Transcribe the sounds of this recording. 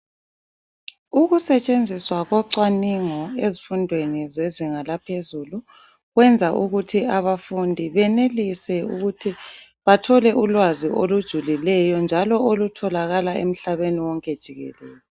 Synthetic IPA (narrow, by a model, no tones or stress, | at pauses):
uɣusɛt͡ʃʼend͡zʱiswaɣɔǀwaniŋɔezifundʱwenizeziŋalapʰezulu | ɣwɛnd͡zʱaʔuɣutʰiaβafundʱiβɛnelisɛuɣutʰi | βatʰɔlɛʔulwaziʔolud̥ʒ̥ʱulilɛjɔnd͡ʒʱalɔolutʰɔlaɣalaḛm̩ɬaβeniwɔŋkʼɛd̥ʒ̥ʱiɣɛ̰lɛːjɔ